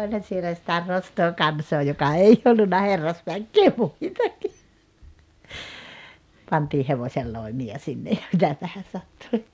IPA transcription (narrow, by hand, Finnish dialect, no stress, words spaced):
olʲhɑn̞ sielæ sĭtæ nostoː kɑnsoː jokɑ ei olːunːɑ herːɑsʋækːeː muitɑki pɑntiː heʋosʲelːoimiɑ sinːe jɑ mitæpæhæ sɑtːui